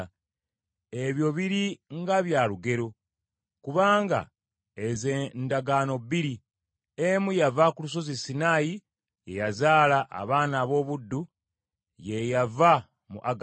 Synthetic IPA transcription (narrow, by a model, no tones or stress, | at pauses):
e̞βjo̞βiɾiŋɡaβjaːluɡe̞ɾo̞ | kuβaːŋɡa̰ | ezendaɡaːno̞biɾi | emujavakulus̬o̞zisːinaːji | je̞jazaːlaʔa̰βaːnaːβo̞ːβudːu | je̞java | mṵʔaɡ